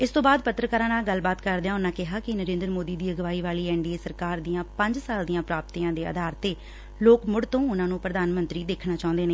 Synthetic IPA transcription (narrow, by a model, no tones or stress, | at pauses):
ɪst̪õːbaːd̪pət̪ːɾəkəːɾãːnaːɡəlbaːt̪kəɾd̪ejãːʊnãːkɪɦaːkɪnəɾẽːnd̪ɾmoːd̪iːd̪iːəɡəʋaːiːʋaːliːɛːɳɖiːeːsəɾkaːɾd̪ijãːpəɲd͡ʒsaːld̪iːãːpɾaːp̚t̪iːãːd̪eːə̰d̪ʱaːɾt̪eː | loːkmʊɽt̪õːʊnãːnũːpɾəd̪aːnmə̃nt̪ɾiːd̪eːkʰnaːt͡ʃaːʊ̃nd̪eːneː